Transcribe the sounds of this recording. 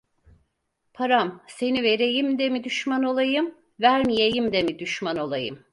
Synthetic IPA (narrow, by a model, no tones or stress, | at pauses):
pʰaɾamse̞nive̞ɾe̞jimd̪ɛmid̪yʃmano̞lˠajɯm | væɾmijejimd̪ɛmid̪yʃmano̞lˠajɯ̰m